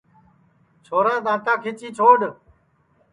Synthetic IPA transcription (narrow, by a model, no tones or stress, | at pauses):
t͡ʃʰoːɾãːd̪ãːʈãːkʰɪt͡ʃiːt͡ʃʰoːɖ